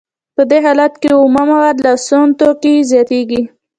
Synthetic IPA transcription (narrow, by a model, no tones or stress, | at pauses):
pəd̪eɦɑlat̪keʊmamawad̪lasont̪okizjɑt̪eɡi